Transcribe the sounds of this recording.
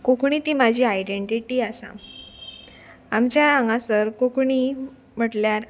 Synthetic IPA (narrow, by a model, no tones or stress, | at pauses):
kokɳ̃it̪iːmad͡ʑʱiːajɖeɳʈiʈiːasã̰ | amt͡ɕjaaŋɡãsəɾkokɳi | m̤əʈljaɾ